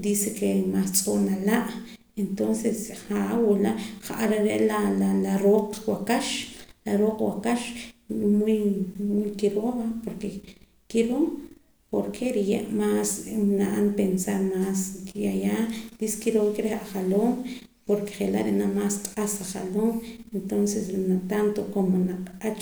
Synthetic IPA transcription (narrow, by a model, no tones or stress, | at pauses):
d̪iːsekemast͡sʼonalaʔ | ent̪onsesχawulaʔχaʔaɾaɾeʔlalalaɾoːqwakaʃlaɾoːqwakaʃmujmujkiɾoːβapoɾke | kiɾom | poɾkʰeɾijḛʔmaːsnaʔanpensaɾmaːskijajaːd̪iskiɾoːŋkeɾeχaχaloːm | poɾke̥χela̰ʔɾenamaːsqʼasaχa̰loːment̪onsesnat̪ant̪okomonaqʼat͡ʃ